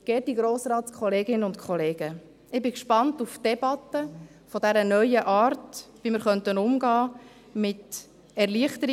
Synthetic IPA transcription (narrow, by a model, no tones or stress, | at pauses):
ɡ̥ɛːt̚d̥iɡɾoːsɾɑːtskχɔleːɡɪnənʊntkʰχɔleːɡ̥ə | ɪbɪkʃpɑntufd̥ɛbɑtə | fɔdɛɾənœʏəʔɑːɾtʋimɪɾχœntənʊmɡɑː | mɪt | ɛɾliəχtəɾ